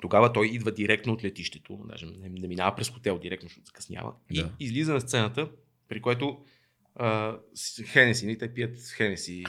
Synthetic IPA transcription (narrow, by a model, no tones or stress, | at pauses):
t̪oɡavət̪ɔjid̪vəd̪iɾɛk̚t̪noːt̪lɛt̪iʃt̪ɛ̥t̪ona̰ʒɛmnɛnɛminavəpɾɛsxo̥t̪ɛlˠd̪iɾɛkt̪oʃt̪oɔt̪z̥kɐ̥snʲja̰və̰iizlizənɐst̪sɛnət̪ə | pɾikoɛt̪o | ə | xɛnɛsinɐlit̪ɛpijət̪xɛnɛsi